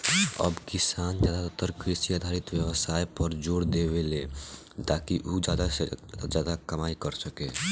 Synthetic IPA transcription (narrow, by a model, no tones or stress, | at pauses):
ə̰bkisand͡ʒad̪at̪ot̪əɾkɾisiad̪ʱaɾit̪bjəbəsajpəɾd͡ʒoɽd̪ebele | t̪akiʔud͡ʒad̪ad͡ʒad̪akəmajkəɾsəke